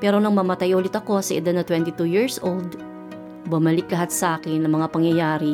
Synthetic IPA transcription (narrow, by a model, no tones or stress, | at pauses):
pɛːɾo̞nɐŋmɐmɐt̪ajʔoːlɪt̪ɐko̞sɐʔɪ̰d̪ad̪nɐt̪wɛnt̪ɪt̪ujiɹsʔold̪ | bʊmɐlɪk̚lɐɦat̪̚sɐʔaːkɪnːɐŋmɐŋapɐŋjɐjaːɾɪ